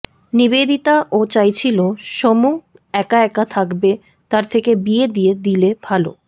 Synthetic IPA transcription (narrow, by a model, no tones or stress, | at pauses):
nibed̪it̪aʔot͡ɕajt͡ɕʰiloʃomu | ɛkaɛkat̪ʰakbe | t̪aɾt̪ʰekebied̪ied̪ilebʱalo̰